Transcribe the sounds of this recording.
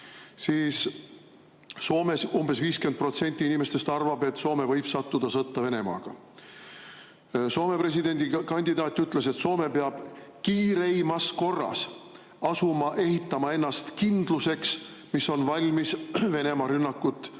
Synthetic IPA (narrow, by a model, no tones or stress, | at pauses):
siːs | o̞ːmesumbe̞sviːskyend̪̚pro̞t̪se̞nʲt̪ːˑiinʲime̞st̪e̞st̪ɑrvɑbe̞t̪ːˑso̞ːme̞vɤjb̥sɑt̪ːud̪̥ɑsɤt̪ːɑve̞ne̞mɑ̰ːɡ̥ɑ̰ | so̞ːme̞pre̞s̬id̪e̞nʲd̪ikɑnʲd̪̥id̪ɑːt̪ˑːyt̪ːˑle̞se̞t̪so̞ːme̞peɑb̥kiːɾejmɑsko̞rːɑ̰s | ɑsumɑʔe̞ɦit̪ːˑɑmɑe̞nːɑst̪kind̪̥luse̞ks | misːo̞nvɑlʲmisve̞ne̞mɑɾynːɑkːut̪ːˑ